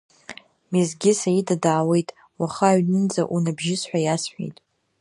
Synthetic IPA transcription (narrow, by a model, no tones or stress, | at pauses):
mizɡʲɪsajidadʕawe̞jtʼ | waχaːɥnɨnd͡za̰ʔunabʒɪsħʷᶣajasħʷᶣḛjtʼ